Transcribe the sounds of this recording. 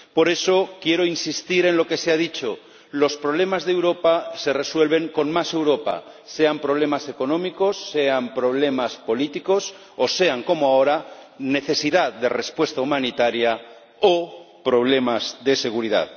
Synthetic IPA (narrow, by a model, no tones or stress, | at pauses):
po̞ɾe̞so̞kje̞ɾo̞insist̪iɾe̞nlo̞ke̞seaðit͡ʃo | lo̞spɾo̞β̞le̞mazðewɾo̞pase̞re̞swe̞lβ̞e̞ŋko̞nmase̞wɾo̞pa̰ | se̞ampɾoβ̞le̞mase̞ko̞nõ̞miko̞sːeampɾoβ̞le̞maspo̞lit̪iko̞s | ose̞aŋko̞moaoɾane̞θe̞siðaððere̞spwe̞st̪aumãnit̪aɾja | o | pɾo̞βle̞mazðe̞se̞ɣ̞uɾiða̰ð